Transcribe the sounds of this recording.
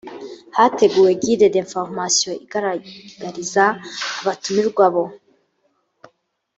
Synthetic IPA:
hate̞ɡuːwe̞ɡidedeɱfoɾmasijo̞iɡaɾaɡ̥aɾizaːβatumiɾɡwaβo̞

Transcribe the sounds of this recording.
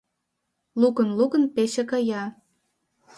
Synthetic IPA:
lukənlukənpeʃekɑjɑ

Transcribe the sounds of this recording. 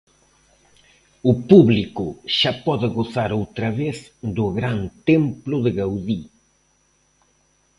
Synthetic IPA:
ʊpuβlikʊʃapɔðɪɣoθaɾowt̪ɾɐβeθd̪ʊɣɾant̪emplʊðɪɣawði

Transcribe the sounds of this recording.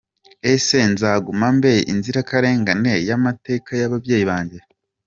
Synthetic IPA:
ese̞nzaːɡumambejʔinziɾakaɾe̞ːŋɡane̞jamate̞ːkajaβavjeːjiβaːɲɟe

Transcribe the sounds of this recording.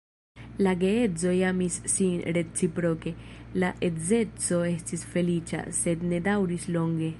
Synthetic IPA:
laɡe̞et͡so̞jamisːinɾe̞t͡sipɾo̞ke̞laʔe̞ze̞t͡so̞e̞stisfe̞lit͡ʃa̰se̞dne̞dawɾislo̞ŋɡe̞

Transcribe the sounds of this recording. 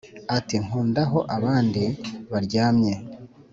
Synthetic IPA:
atiŋ̥uːndaɦo̞ʔaβaːndiβaɾɟaːmɲe̞

